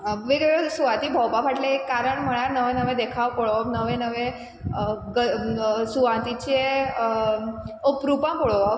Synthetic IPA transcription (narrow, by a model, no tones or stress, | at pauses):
ʋiɡɭosuʋat̪ibʱəwbabaʈlẽekːaɾəɳm̤əɽ̃aɾnəʋẽnəʋẽd̪ekʰaʋpɔɭonəʋẽnəʋẽ | ɡəsuʋãnt̪it͡ɕe | opɾupãmpɔɭoʋ